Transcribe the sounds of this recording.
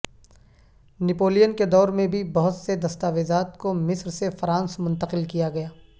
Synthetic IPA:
nɪpoːlijənked̪ɔːɾmẽbʱibɐɦʊt̪sed̪ɐst̪aːʋeːzaːt̪komɪsɾsefɾãːnsmʊ̃nt̪əqɪlkijaɡɐjaː

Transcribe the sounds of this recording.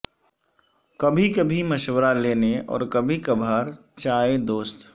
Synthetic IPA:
kɐbʱikɐbʱimɐʃwəɾaleːneɔ̰ːɾkɐbʱikɐbʱaːɾ | t͡ʃaːed̪oːst̪

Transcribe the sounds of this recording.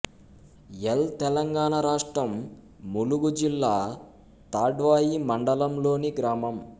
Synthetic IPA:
ɛlt̪ɛlɐŋɡaːɳɐɾaːʂʈɾɐmː | uluɡud͡ʒilːaː | t̪aːɖʋaːjimɐɳɖɐlɐmlo̞ːniɡɾaːmɐm

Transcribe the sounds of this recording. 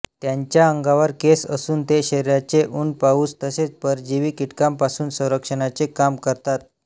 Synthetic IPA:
t̪jaɲt͡ɕjaəŋɡaʋəɾkesəsuːnt̪eɕeɾjat͡seʔuːnpauːst̪əset͡spəɾd͡ʑiʋiːkiʈkampasuːnsə̃w̃ɾəkʂəɳat͡sekamkəɾt̪at̪̚

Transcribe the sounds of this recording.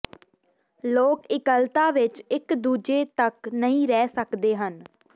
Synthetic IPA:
loːkɪkəlt̪aːʋɪt͡ʃɪkd̪uːd͡ʒeːt̪əknəĩːɾɛːsəkd̪eːɦən

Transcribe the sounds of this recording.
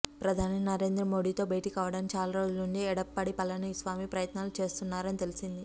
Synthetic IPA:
pɾɐd̪ʱaːninɐɾe̞ːnd̪ɾɐmo̞ːɽiːt̪o̞ːbɐjʈikaːʋɐɽɐnt͡ʃaːlɐɾoːd͡ʒuluɳɖiɛɽɐpːɐɽipɐlɐnisʋaːmipɾɐjɐt̪naːlut͡ʃe̞ːst̪unːaːɾɐnit̪elisind̪i

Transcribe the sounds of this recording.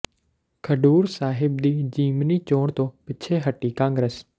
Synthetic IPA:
kʰəɖuːɾsaːɦɪb̚d̪iːd͡ʒiːmniːt͡ʃoːɳt̪õːpɪt͡ʃʰeːɦəʈːiːkãːŋɡɾeːs

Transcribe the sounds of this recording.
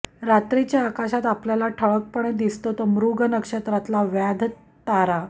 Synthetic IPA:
ɾat̪ɾit͡ɕjaːkaɕat̪apljalaʈʰəɭək̚pəɳed̪ist̪ot̪omɾuɡənəkʂət̪ɾat̪laʋjad̪ʱ | t̪aɾa

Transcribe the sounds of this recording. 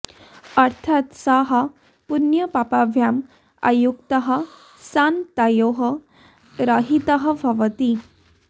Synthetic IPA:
ɐɾt̪ʰat̪saɦɐ | punjəpapabʱjam | a̰juk̚t̪əɦə̆ | sant̪ajoɦə | ɾaɦit̪əɦə̆bʱɐʋət̪i

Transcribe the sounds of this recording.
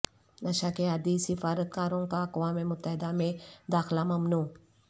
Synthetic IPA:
nɐʃaːkead̪isifaːɾət̪̚kaːɾoŋkaːkʋaːmemʊt̪ːəɦɪd̪amẽd̪aːxlamɐmnuː

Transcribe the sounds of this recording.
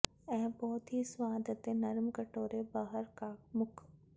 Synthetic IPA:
ɛ̃ːbɔːt̪ɦisʋaːd̪ʱət̪enɐɾmkɐʈoːɾebaːɦəɾkamʊkʰ

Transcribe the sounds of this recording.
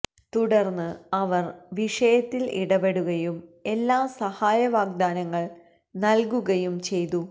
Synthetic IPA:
t̪uɽɐrnːɨɐʋɐrʋiʂɐjɐt̪ːilḭɽɐbe̞ɽuɣɐjume̞lːaːsɐhaːjɐʋaːɡ̚d̪aːnɐŋːɐɭ | nɐlkuɣɐjumt͡ɕe̞jt̪u

